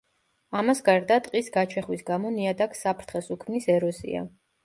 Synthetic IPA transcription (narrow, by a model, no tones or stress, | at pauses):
amasɡaɾd̪at̪ʼqʼisɡat͡ʃʰɛχwisɡamɔniad̪akʰsapʰɾt̪ʰχɛsukʰmnisɛɾɔsḭa̰